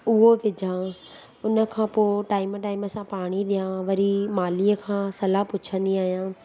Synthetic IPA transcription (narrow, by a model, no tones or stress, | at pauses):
ʊɦoʋɪd͡ʑʱã | ʊnə̆kʰãːpoːʈaːɪmʈaːɪməsãpaːɽ̃iɗijãʋɐɾimaːliːəkʰãːsɐlapʊt͡ɕʰə̃nd̪iaːɦijãː